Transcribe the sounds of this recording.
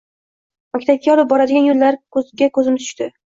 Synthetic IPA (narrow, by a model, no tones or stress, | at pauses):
makʲt̪ʰap̚kʲajɒlˠɪp̚bɒɾad̪ɪɡʲanjollaɾkʰɵzɡʲakʰɵzɪmɪzʰʊ̥ʃt̪ɪ